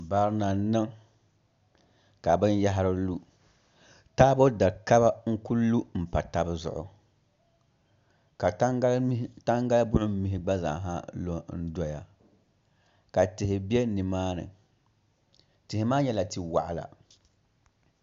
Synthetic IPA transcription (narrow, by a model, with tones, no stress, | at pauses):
baː˨ɾna˨nɨ˦ŋ | ka˨bɨ˦nja˦ɦa˦ɾɨ˦lu˦ | taː˦bo˦da˨ka˦ba˦ŋ̩˦ku˦lu˦m̩˨pa˨ta˦bɨ˦zʊ̰˨ʔʊ̰˨ | ka˨˦ta˦ŋɡa˦la˦bʊ˦ʔʊ˦m˦mi˨ɦɪ˦ɡ͡ba˦za̰˨ɦa˦lo˦n̩˦dɔ˦ja˨ | ka˨tɪ˨hɪ˨bi˦ɛ˦nɨ˨maː˦nɨ̰˨ | tɪ˨hɪ˨maː˦ɲɛ˦la˨ti˨wa̰˨ʔa˨la̰˨